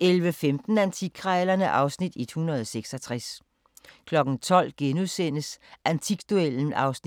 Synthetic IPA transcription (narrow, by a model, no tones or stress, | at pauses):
elʋəfemd̥n̩ænt͡sʰikʰʁɑlɐnəʔɑ̈ʊsnid̥ed̥hunɐð̞ˠɒseɡ̥sɒt͡sʰʁas | kʰlɒ̽ɡ̥n̩t͡sʰɒ̽l̰ɡ̥enuðˠsen̰əsʔænt͡sʰiɡ̥d̥uel̰n̩ɑ̈ʊsni